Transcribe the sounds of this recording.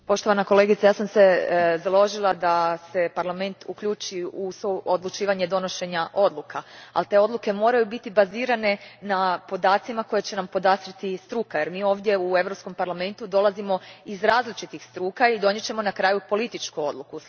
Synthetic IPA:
po̞ʃt̪o̞ʋanako̞le̞ɡit̪sajaːsamsezalo̞ʒilˠad̪ase̞paɾlame̞nt̪ʰukʎuːt͡ʃiusood̪lˠut͡ʃiːʋaɲe̞d̪o̞no̞ʃe̞ɲaʔo̞d̪lˠukʰaa̰lt̪e̞o̞d̪lˠuke̞mo̞ːɾajubit̪ibaziːɾane̞napo̞d̪aːt̪simako̞jet͡ɕe̞nampo̞d̪asɾit̪ist̪ɾuːkaje̞ɾmiːo̞ːʋd̪je̞ue̞ʋɾo̞psko̞mpaɾlame̞nt̪ud̪o̞lˠazimo̞izɾaːzlit͡ʃit̪ixst̪ɾuːkaid̪o̞ɲe̞t͡ɕe̞mo̞nakɾaːjupo̞lit̪it͡ʃkuo̞d̪lˠuku

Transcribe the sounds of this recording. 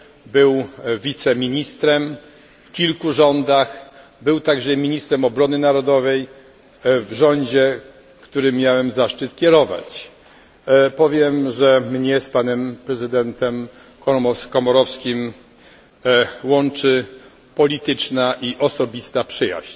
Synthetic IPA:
bɘwvʲit̪sɛmʲiɲist̪ɾɛm | fkʲilkuʐɔnd̪ax | bɘwt̪aɡʐɛmʲiɲist̪ɾɛmɔbɾɔnɘnaɾɔd̪ɔvɛj | vʐɔɲd͡ʑɛ | kt̪uɾɘmʲjawɛmzaʂt͡ʂɘt̪kʲɛɾɔva̰t͡ɕ | pɔvʲjɛmʐɛmɲɛspanɛmpɾɛzɘd̪ɛnt̪ɛm | kɔmɔskɔmɔɾɔfskʲim | wɔnt͡ʂɘ | pɔlʲit̪ɘt͡ʂnaʔiʔɔsɔbʲist̪apʂɘja̰ɕt͡ɕ

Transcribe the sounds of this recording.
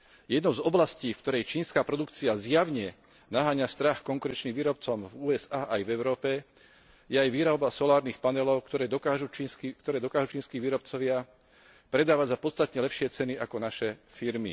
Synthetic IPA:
jɛd̪nɔʊzɔblasciːfkt̪ɔɾɛjt͡ʃiːnskaːpɾɔd̪ukt͡siazjaʋɲɛ | naɦaːɲast̪ɾaxkɔŋkuɾɛnt͡ʃniːmʋiːɾɔpt͡sɔmvuːɛzaːʔajvɛʊɾɔːpɛ | jɛajʋiːɾaʊbasɔlaːɾniːxpanɛlɔʊkt̪ɔɾɛːd̪ɔkaʒut͡ʃiskikt̪ɔɾɛːd̪ɔkaːʒut͡ʃiːnskiːʋiːɾɔp̚t͡sɔʋɪa | pɾɛd̪aːʋaɟzapɔt̪t͡st̪at̪ɲɛlɛpʃɪɛt͡sɛniʔakɔnaʃɛfiɾmḭ

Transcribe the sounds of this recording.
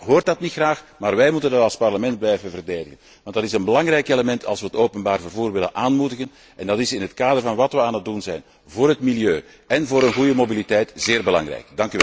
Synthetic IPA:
ɦoːrtdɑtnitxraːxmaːrʋɛjmutəndɑtɑlˠspɑrləmɛnt̚blɛjvənvərdeːdəɣən | ʋɑntdɑtɪsənbəlɑŋɾɛjkeləmɛntʰɑ̰lˠswʋəɦətoːpənbaːrvərvuːrʋɪlənʔaːnmudəɣən | ʔɛndɑtɪsɪnɦətkaːdərvɑnʋɑtʋəaːnət̚dunzɛjn | voːrɦətmiljøː | ʔɛnvoːɾənɣujəmobilitɛjtz̥ɪːrbəlɑ̰ŋrɛ̰jkdɑŋkyʋɛl

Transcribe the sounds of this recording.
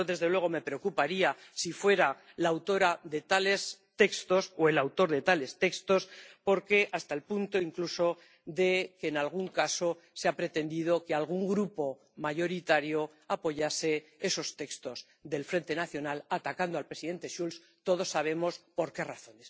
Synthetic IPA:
oðe̞zðe̞lwe̞ɣ̞o̞me̞pɾe̞okupaɾiasifwe̞ɾa | laːwt̪o̞ɾaðe̞t̪ale̞st̪e̞kst̪o̞soe̞lawt̪o̞ɾðe̞t̪ale̞st̪e̞kst̪o̞spo̞ɾke̞ʔast̪aelpunt̪o̞iŋkluso̞ | ðe̞keːnalɣ̞uŋkaso̞ | seapɾe̞t̪e̞nd̪ið̞o̞kealɣ̞uŋɡɾupo̞ | maʝo̞ɾit̪aɾjo̞ | apo̞ʝase̞e̞so̞st̪e̞kst̪o̞z | ðe̞lfɾe̞nt̪e̞naθjo̞nalat̪akand̪oalpɾe̞siðe̞nt̪e̞ʃuls | t̪o̞ð̞o̞sːaβ̞e̞mo̞spo̞ɾke̞raθo̞ne̞s

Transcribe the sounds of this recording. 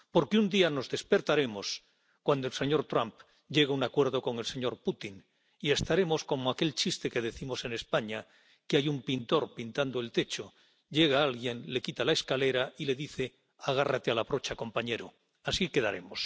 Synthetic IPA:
po̞ɾkeund̪iano̞zðe̞spe̞ɾt̪aɾe̞mo̞s | kwand̪oelse̞ɲo̞ɾt̪ɾamp | ɟ͡ʝe̞ɣeunakwe̞ɾðo̞ko̞ŋelse̞ɲo̞ɾput̪in | ie̞st̪aɾe̞mosko̞moake̞lt͡ʃist̪e̞ke̞ð̞e̞θimo̞se̞ne̞spaɲa | keajumpint̪o̞ɾpint̪and̪oe̞lt̪e̞t͡ʃo | ʎe̞ɣ̞aalɣje̞nle̞kit̪alaeskale̞ɾaile̞ðiθe̞ | aɣ̞arat̪ealaβɾo̞t͡ʃako̞mpaɲe̞ɾo | asike̞ðaɾe̞̰mos

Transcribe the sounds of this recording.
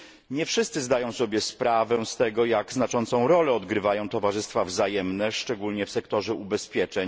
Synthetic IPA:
ɲɛfʂɘst̪sɘzd̪ajɔ̃w̃sɔbʲjɛspɾavɛw̃st̪ɛɡɔjaɡznat͡ʂɔnt̪sɔ̃w̃ɾɔlɛɔd̪ɡɾɘvajɔ̃w̃t̪ɔvaʐɘst̪favzajɛmnɛʂt͡ʂɛɡulɲɛfsɛkt̪ɔʐɛʔubɛspʲjɛt͡ʂɛɲ

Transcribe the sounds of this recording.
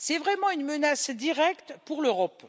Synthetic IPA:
sɛvʁɛmɑ̃ynmənasd̪iʁɛkt̪puʁløʁɔp

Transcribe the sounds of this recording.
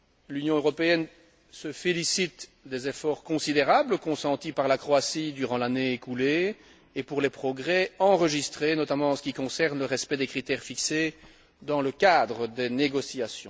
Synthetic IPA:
lynjɔ̃øʁɔpeɛn | səfelisit̪d̪ezefɔʁkɔ̃sid̪eʁabləkɔ̃sɑ̃t̪ipaʁlakχoasid̪yʁɑ̃laneekule | eːpuʁlɛpχɔɡʁɛɑ̃ʁəʒist̪χenɔt̪amɑ̃ɑ̃sə̥kʲikɔ̃sɛʁnləʁɛspɛd̪ekχit̪ɛʁfikse | d̪ɑ̃ləkad̪ʁəd̪eneɡɔsiasjɔ̃

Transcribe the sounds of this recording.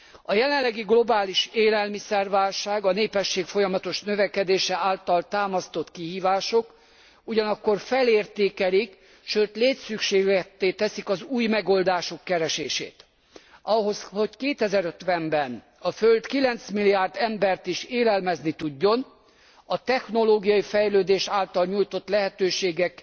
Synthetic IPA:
ɒjɛlɛllːɛɡiɡlo̞baːliʃeːlɛlmisɛrʋaːlʃaːɡɒneːpɛʃːeːkfo̞jɒmɒt̪o̞ʃnøvɛkɛd̪eːʃɛaːlt̪ɒlt̪aːmɒst̪o̞t̪kiɦiːvaːʃo̞k | uɟɒnɒkːo̞rfɛleːrt̪eːkɛlik | ʃøːt̪leːt̪sykʃeːɡɛt̪ːeːt̪ɛsikɒzuːjmɛɡo̞ld̪aːʃo̞kːɛɾɛʃeːʃḛːt̪ | ɒɦo̞sho̞ckeːt̪ɛzɛɾøt̪ʋɛmbɛn | ɒfølt̪kilɛnt̪smilːijaːrd̪ɛmbɛrt̪iʃeːlɛlmɛznit̪uɟːo̞n | ɒt̪ɛxno̞loːɡijɒjifɛjløːd̪eːʃaːlt̪ɒlɲujt̪ot̪lɛɦɛt̪øːʃeːɡɛk

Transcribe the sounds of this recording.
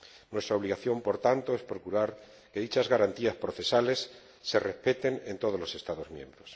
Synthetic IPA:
nwest̪ɾaoβliɣaθjo̞mpo̞ɾt̪ant̪oe̞spɾo̞kuɾaɾ | ke̞ðit͡ʃazɣaɾant̪iaspɾo̞θe̞sale̞sː | e̞re̞spe̞t̪e̞nent̪o̞ð̞o̞zlo̞se̞st̪aðo̞zmjẽ̞̰mbɾos

